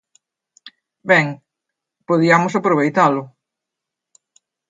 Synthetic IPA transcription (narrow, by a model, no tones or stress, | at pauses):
bɛŋ | poðiamʊsapɾoβejt̪alʊ